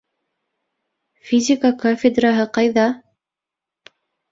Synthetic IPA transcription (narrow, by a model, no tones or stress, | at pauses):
fʲizʲɪkakofʲɪd̪raɦɤqɑjðɑ